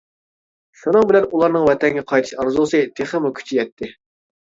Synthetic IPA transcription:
ʃunɨŋbɪlɛnulˠɑɾnɨŋwɛt̪ʰɛŋɡʲɛqʰɑjt̪ʰɨ̥ʃɑɾzulˠsɨt̪ʰeχəmukʲʰy̥t͡ʃʰijɛt̪ʰːɪ

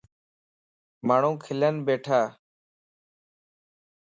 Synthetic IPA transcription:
maːɳ̤ũːkʰɪlənbeːʈʰaː

